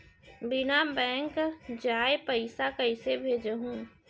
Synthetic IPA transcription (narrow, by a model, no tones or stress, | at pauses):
bɪnabɛ̃ːŋkd͡ʒaːepəɪsakəɪsebʱeːd͡ʒəɦũː